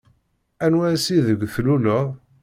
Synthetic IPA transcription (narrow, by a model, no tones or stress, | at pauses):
ænwæsiðəɡʷːθlulʊʁ